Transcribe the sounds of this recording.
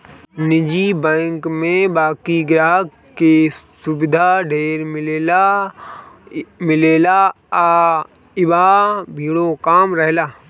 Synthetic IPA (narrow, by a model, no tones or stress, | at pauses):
nɪd͡ʒibɛ̃ːŋkmẽbaːkiɡɾaːɦ | ke | sʊbɪd̪ʱaɖʱeːɾmɪleːla | mɪleːla | ɪbabʱiːɽokaːmɾɐɦlaː